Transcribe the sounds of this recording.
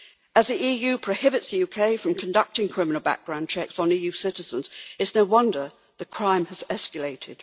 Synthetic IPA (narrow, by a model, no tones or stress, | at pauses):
əzðiijʉpʰɹ̥əʊhɪbɨtsðɨjʉkʰeɪfɹə̃mkʰɨ̃ndʌk̚tɪ̃ŋkʰɹ̥ɪmɪn̩l̩ˠbæ̰k̚ɡ̥ɹãʊ̃nt͡ʃʰɛksn̩ijʉsɪɾɨzə̃nzɨtsnoʊwʌ̃ndə˞ | ðɨkʰɹ̥ãɪ̃məzɛskəleɪɾʰɪd̥